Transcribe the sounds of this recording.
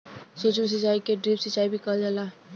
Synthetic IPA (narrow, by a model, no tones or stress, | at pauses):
sot͡ʃms̬it͡ʃaikeɖɾipsit͡ʃaibʱikʌld͡ʒala